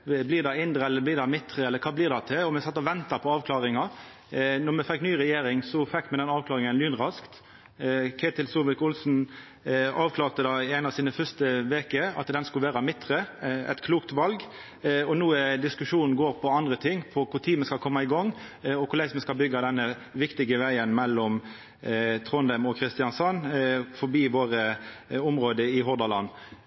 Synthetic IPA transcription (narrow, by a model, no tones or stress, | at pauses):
blɪːʁd̪ɑɪnd̪ɾəɛlːəblɪːʁd̪ɑmɪt̪ːɾəɛləɾkʰɑːblɪːʁd̪ɑt̪ʰɪɔmɛsɑt̪ːɔʋɛnt̪ɑpʰɔɑːʋkʰlɑːɾɪŋɑ | nɔʁmɛfɛkːnyːʁɛjeːɾɪŋsɔfɛkːmɛd̪ɛnɑːʋkʰlɑːɾɪŋənlyːnʁɑskt̪ | kʰeːt̪ɪlsuːʋɪkʊlsn̩ | ɑːʋkʰlɑːʁt̪əd̪ɑːæɪnɑʋsiːnəfœst̪əʋeːkəɑ̰t̪d̪ɛnskʉlʋæːɾɑmɪt̪ːɾəɛ̰t̪kʰluːkt̪ʋɑlɡ | ɔnuːəd̪ɪskʉʂuːnn̩ɡoːɾpʰɔɑnd̪ʁət̪ʰɪŋːpʰɔkʰʊʁt̪ʰiːməskɑlkʰɔmːɑɪɡɔŋː | ɔkʰʊɾlæɪsmɛskɑlbʏɡːɑd̪ɛnːə | ʋɪkt̪ɪɡəʋæɪənmɛlːɔm | t̪ʰʁɔnd̪əmɔkʰʁɪst̪ɪjɑnsɑnːfɔbiːʋoːʁəʊmʁoːd̪əɪɦɔʁd̪ɑlɑn